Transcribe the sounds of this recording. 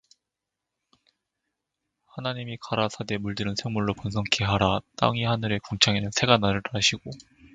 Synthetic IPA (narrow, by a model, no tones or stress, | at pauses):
hanaɲimikaɾasʰade̞muɭdɯɾɯnsʰeŋmuɭːoponsʰʌŋkʰeɦaɾat͈a̰ŋihanɯɾe̞koŋt͡ɕʰaŋenɯnsʰe̞ɡanaɾɯɭɾaɕʰiɡo